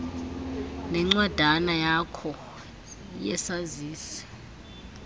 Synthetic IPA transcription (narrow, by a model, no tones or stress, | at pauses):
nɛŋ͡ǀwad̥ʱanajakʰɔ | jɛsaziːsɛ̥